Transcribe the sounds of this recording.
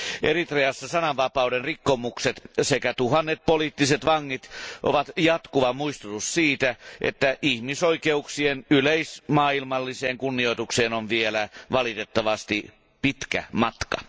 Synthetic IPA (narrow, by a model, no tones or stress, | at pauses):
ʔerit̪reɑsːɑsɑnɑʋʋɑpɑudenrikːomukset̪sekæt̪uɦɑnːet̪̚poliːt̪ːiset̪ʋɑŋːit̪ʔoʋɑt̪jɑt̪kuʋɑmuist̪ut̪ussiːt̪æʔḛt̪ːæʔihmisoikeuksienyleismɑːilmɑlːiseːŋkunːio̞it̪ukseːnonʋielæʋɑlit̪et̪ːɑʋɑst̪i | pit̪kæ̰mɑt̪kɑ̰